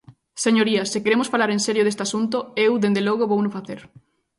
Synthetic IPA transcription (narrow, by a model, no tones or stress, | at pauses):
seɲoɾiɐsɪkeɾemʊsfalaɾenseɾjʊðest̪asunt̪ʊewðend̪elɔɣ̞oβownʊfaθeɾ